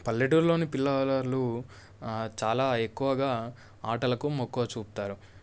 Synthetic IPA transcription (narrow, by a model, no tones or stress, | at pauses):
pɐlːeʈuɾlo̞ːnipilːɐlɐɾlu | t͡ʃaːlaːe̞kːuʋɐɡaː | aːʈɐlɐkumokːuʋɐt͡ʃuːput̪aːɾu